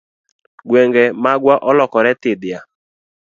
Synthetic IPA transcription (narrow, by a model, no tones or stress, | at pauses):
ɡwɛŋɡɛmaɡwaʔɔlɔkɔɾɛtɪdɪa